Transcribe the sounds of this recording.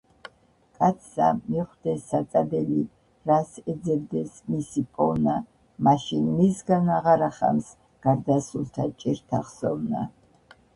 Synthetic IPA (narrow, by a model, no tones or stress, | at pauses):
kʼat̪sʰa̰miχd̪ɛsːat̪ʼab̪ɛli | ɾasɛd̪zɛbd̪ɛsmisipʼɔna | maʃinmisɡanaʁaɾaχa̰ms | ɡ̥aɾd̪asult̪ʰat͡ʃʼiɾt̪ʰaχsɔvna